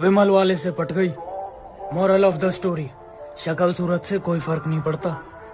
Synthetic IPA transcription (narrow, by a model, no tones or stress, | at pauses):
ʋɪməlʋaːlesepəʈʰɡəiː | mɔːɾəlɔːfd̪əsːʈoːɾiː | ʃəkəlsuːɾət̪sekoːifʰəɾknəɦĩpəɽt̪aː